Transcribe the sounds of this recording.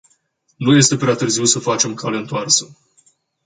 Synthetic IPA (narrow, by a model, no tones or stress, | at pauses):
nuje̞st̪e̞pɾeat̪ɨrziwsəfat͡ʃe̞mkʰale̞ɨnt̪oarsə